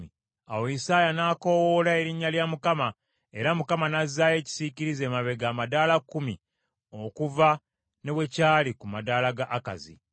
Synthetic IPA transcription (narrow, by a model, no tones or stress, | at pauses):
i | a̰woisaːjanaːko̞wolae̞ɾiɲːaljamukama | e̞ɾamukamanazːaje̞ːci̥siciɾize̞ːmaβe̞ɡaːmadaːlakːumi | o̞kuva | ne̞βwe̞caːlikumadaːlaɡaʔːka̰zḭ